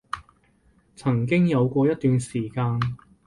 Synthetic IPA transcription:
t͡sʰɐ˨˩ŋk̬ɪ˥ŋjɐ˨˧wkʷɔː˧jɐ˥t̪̚yː˨nsiː˨˩kaː˧n

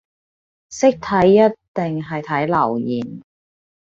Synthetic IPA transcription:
sɪ˥k̚t̪ʰɐ˨˥jːɐ˥tt̪ɪ˨ŋɦɐ˨jt̪ʰɐ˨˥jlɐ˨˩wjiː˨˩n

